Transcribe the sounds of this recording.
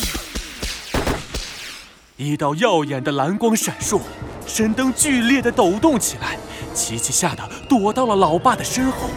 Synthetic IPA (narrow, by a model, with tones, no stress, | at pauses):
i˧˥t̪ɑ˥˧ʊjɑ˥˩ʊjɛ˨˩nd̪ə˦la˧˥nkwɑ˥ŋʂa˨˩nʂwɔ˥˩ | ʂə˥nt̪ɤ˥ŋt͡ɕy˥˧ljɛ˥˩d̪ə˩t̪o˨˩ʊt̪ʊ˥˩ŋt͡ɕʰi˨˩la˧˥ɪt͡ɕʰi˧˥t͡ɕʰi˥˧ɕja˥˩d̪ə˩t̪wɔ˧˥t̪ɑ˥˩ʊlə˩lɑ˧˥ʊpa˥˩d̪ə˩ʂə˥nxwɔ˥˩